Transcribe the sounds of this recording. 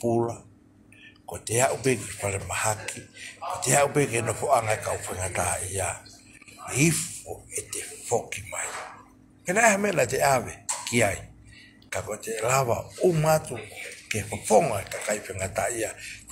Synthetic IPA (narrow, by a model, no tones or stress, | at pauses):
pula | koʔeteaʔubekeepaɾemahakikoteaʔubekenofoʔaŋaekaufeŋataʔia | ifoetefokima̰j | penaehamenaeteaβekiaj | kakoetelaβa̰umatukefapoŋaekakajfeŋataʔia